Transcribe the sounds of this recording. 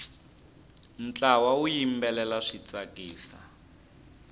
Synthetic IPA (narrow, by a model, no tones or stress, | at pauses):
n̩t͡ɬawaujimbɛlɛlaʂit͡sʼakiːɬa̰